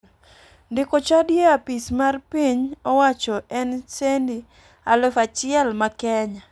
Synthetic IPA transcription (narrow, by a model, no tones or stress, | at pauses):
ndɪkot͡ʃadjeapismarpiɲɔwat͡ʃɔɛnsendi | alʊfat͡ʃɪɛlmakɛɲa